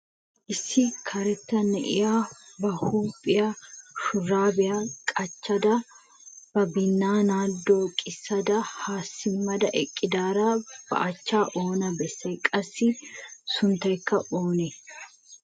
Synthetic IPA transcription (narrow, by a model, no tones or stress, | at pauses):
ʔɪsːɪkʰɐɾɛt̪ːɐnːɛ̰ʔɪ̰jaːbɐhuːpʼːɪjɐʃʊrːaːbɪjakʼɐt͡ʃːɐd̪ɐ | b̥ɐbɪnːaːnaːd̪ːoːkʼɪsːɐd̪ɐhaːsːɪmːɐd̪ɐʔɛkʼːɪd̪aːɾab̥ɐ̰ʔɐt͡ʃːaːʔo̞ːnɐbɛsːɐjkʼɐsːɪsʊnt̪ɐjkːɐʔoːnɛ